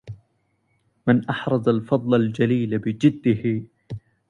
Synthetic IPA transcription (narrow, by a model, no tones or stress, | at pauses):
mɪnʔɑħɾˤɑd̪ˤalfɑd̪ˤlald͡ʒaliːlabɪd͡ʒɪd̪ːɪhɪ